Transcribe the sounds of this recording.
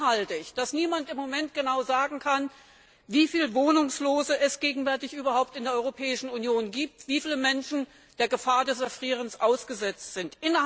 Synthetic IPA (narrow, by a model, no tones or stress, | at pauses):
haltɪçd̥asniːmantɪmːomɛnt̚ɡ̥ənaʊzaːɡŋ̩kʰan | viːfiːlvoːnʊŋsloːzəɛsɡ̥eːɡŋ̩vɛɐtɪçʔyːbɐhaʊp̚tɪndeɐɔʏʁopʰɛːɪʃn̩unjoːnɡiːp̚tv̥iːfiːləmɛnʃn̩ | d̥eːɐɡəfaːɐdɛsɛɐfʁ̥iːʁ̞ənsʔaʊsɡ̥əzɛt͡stz̥ɪntʔɪnɐ